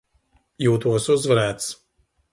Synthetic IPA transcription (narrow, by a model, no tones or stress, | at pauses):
juːt̪uɔsuzvaɾæːt̪s